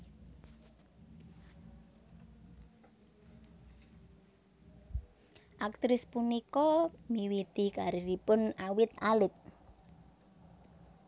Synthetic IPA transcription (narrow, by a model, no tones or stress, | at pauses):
ʔak̚t̪ɾɪspunikɔmiwit̪ikaɾiɾipʊnawɪt̪alɪt̪̚